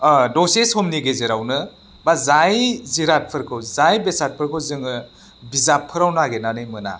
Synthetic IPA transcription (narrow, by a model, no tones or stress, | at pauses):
doseshomniɡezeɾawnɯ | bazajziɾat̚pʰɯɾkʰɯwzajbesat̚pʰɯɾkʰɯwzɯŋɯ | bizapʰːɯɾawnaɡenanɯjmɯna̰